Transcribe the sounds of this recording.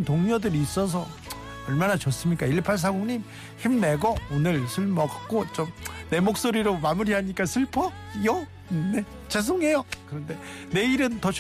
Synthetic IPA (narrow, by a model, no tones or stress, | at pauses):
ntoŋɲʌdɯɾiːs͈ʌs̬ʰʌ | ʌɭmanat͡ɕʌs͈ɯmɲik͈aiɭpʰaɭs̬ʰaɡoŋɲim | çimne̞ɡʌonɯɭsʰuɭmʌɡak͈ot͡ɕomne̞mok̚s͈oɾiɾomamuɾiɦaɲik͈asʰɯɭpʰʌ | jʌ | ne̞ | t͡ɕes̬ʰoŋe̞jokɯɾʌnde̞ | ne̞iɾɯntʌt͡ɕ